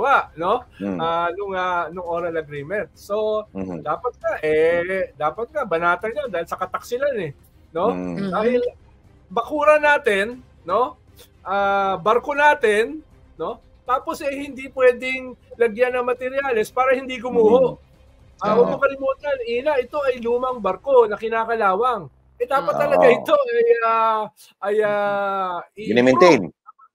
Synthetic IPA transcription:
waʔno̞ʔanʊŋanʊŋʔoːɾɐnɐɡɾiːmɛnt̪̚so̞d̪aːpɐt̪̚kɐʔɛd̪aːpɐt̪̚kɐbɐnaːt̪ɐnjɐnd̪aːhɪlsɐkɐt̪ɐk̚sɪlanɛ | no̞d̪aːhɪl | bɐkuːɾɐnaːt̪ɪnː | o̞ | ʔaːbɐɾko̞naːt̪ɛnː | o̞ | t̪aːpo̞sʔɛjhɪnd̪ipwɛːd̪ɪŋlɐɡjanːɐŋmɐt̪ɛɾjaːlɛspaːɾɐhɪnd̪iːɡʊmuːhoʔ | ʔaʔobʊkɐlɪmuːt̪ɐnʔiːnɐʔɪt̪o̞ʔɐjluːmɐŋbɐɾko̞nɐkɪnaːkɐlaːwɐŋ | ʔɛd̪aːpɐt̪ːɐlɐɡaʔɪt̪o̞ɐja | ʔɐja | ɪnɛmɛnt̪ɛjn

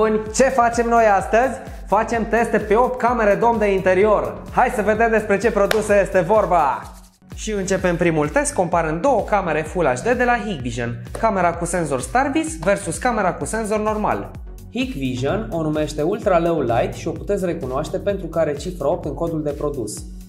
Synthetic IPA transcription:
bunʲt͡ʃe̞fat͡ʃe̞mno̞jast̪əzʲ | fat͡ʃe̞mt̪e̞st̪e̞pe̞o̞p̚t̪̚kame̞ɾe̞d̪o̞md̪e̞int̪e̞ɾio̞r | hajsəve̞d̪e̞md̪e̞spɾe̞t͡ʃe̞pɾo̞d̪useje̞st̪e̞vo̞rba | ʃiɨnt͡ʃe̞pempɾimult̪e̞st̪̚ko̞mpaɾɨnd̪o̞wəkame̞ɾe̞fulaʃd̪e̞d̪e̞laɦikbiʒonkame̞ɾakuse̞nzo̞rst̪arbisve̞rsuskame̞ɾakuse̞nzo̞rno̞rma̰l | hikviʒono̞nume̞ʃt̪e̞ult̪ɾaləwlajt̪ʃio̞put̪es̬ʲre̞kunoaʃt̪e̞pe̞nt̪ɾukaɾe̞t͡ʃifɾəo̞p̚t̪ɨŋko̞d̪uld̪e̞pɾo̞d̪us

